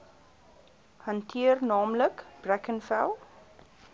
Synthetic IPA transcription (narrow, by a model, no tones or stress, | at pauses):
hɐntʰiərnɑːmləkb̥rækənfælˠ